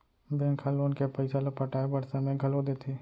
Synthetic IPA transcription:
bẽːŋkʰaloːnkepɐɪsalopɐʈaːebɐɾsẽmẽɡʱɐlod̪eːt̪ʰeː

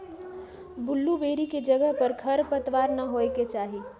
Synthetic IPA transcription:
bʊlːubeːɾiked͡ʒəɡəɦpəɾkʰəɾpət̪ʋaɾnəɦoeket͡ʃaːɦi

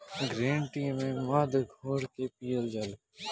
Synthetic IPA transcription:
ɡɾẽːɳʈiːmẽːmaːd̪ɡʱoːɾkeːpiːjəld͡ʒəl

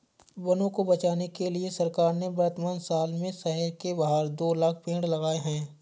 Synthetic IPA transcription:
bɐnõkobɐt͡ʃaːnekeliesɐɾkaːɾnebɐɾt̪maːnsaːlmẽsɛɦɛɾkebaɦaːɾd̪oːlaːk̚ʰpẽːɽlɐɡaːeɦɛ̃ː

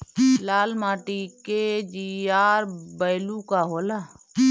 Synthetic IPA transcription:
laːlmaːʈiked͡ʒiaːɾbəjlukaɦola

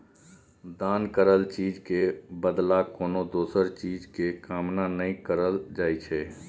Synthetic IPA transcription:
d̪aːnkəɾəlt͡ʃiːd͡ʒkebəd̪lakoːnod̪oːsəɾt͡ʃiːd͡ʒkekaːmnanəĩkəɾəld͡ʒaːit͡ʃʰɛː

